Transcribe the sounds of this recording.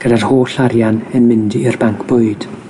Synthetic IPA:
ɡ̥ədarhoːɬaɾjanənmɪndiirbaŋkʰb̥ʊɨd̥

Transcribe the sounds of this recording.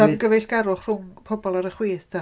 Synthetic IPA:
amɡəvɛɬɡ̥aɾʊχr̥ʊŋpʰɔbɔlˠaɾəχwiːθtʰa

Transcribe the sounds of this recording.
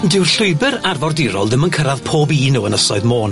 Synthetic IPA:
dɪwrɬʊɨbəɾarvɔrdɪɾɔ̰lˠdɪmənkʰəɾaðpʰoːbiːnuːənəsɔɨðmoːn

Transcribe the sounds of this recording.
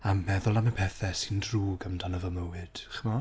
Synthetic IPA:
amːɛðʊlˠaməpʰɛθɛsɪndruːɡəmdanəvəməwɨd̥χəmɔ

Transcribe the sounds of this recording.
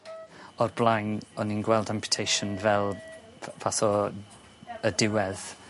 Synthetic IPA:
ɔrblˠajŋɔninɡwɛlˠdampʰjʊ̥tʰejʃɔnvɛlˠvaθɔ | ədɪwɛð̥

